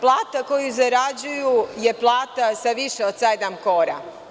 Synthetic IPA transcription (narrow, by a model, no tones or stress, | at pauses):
plˠaːt̪ako̞juzaɾad͡ʑujuje̞plˠaːt̪asaʋiʃeod̪sed̪amko̞ɾa̰